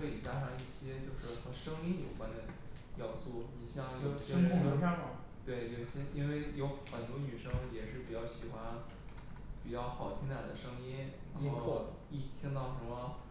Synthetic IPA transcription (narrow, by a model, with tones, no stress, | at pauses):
ɤ˧˥i˨˩t͡ɕja˥ʂɑ˥˧ŋi˥˩ɕjɛ˥t͡ɕjo˥˧ʊʂɻ̩˥˩xə˧˥ʂɤ˥ŋi˥njo˨˩ʊkwa˥nd̪ə˨ | jɑ˥˩ʊsu˥˩ni˨˩ɕjɑ˥˧ŋjo˥˧˩ɕɛ˥ŋ˥o˧˥a˥˩mɐ˨˩ | t̪we˥˩ɪt͡ɕo˥˩ɕɛ˥˩nʔi˥nwe˥˩ɪjo˧˥ʊxə˨˩nt̪wɔ˥ny˨˩ʂɤ˥ŋ˩jɛ˨˩ʂɻ̩˥˩pi˨˩t͡ɕjɑ˥˩ʊɕi˨˩xwa˥n | pi˨˩t͡ɕjɑ˥˩ʊxɑ˨˩ʊt̪ʰi˥ŋt̪a˨˩d̪ə˦ʂɤ˥ŋi˥nɻa˧˥xo˥˧ɔ˥˧ | i˥˩˥t̪ʰi˥ŋt̪ɑ˥˩ʊʂə˧˥mə˧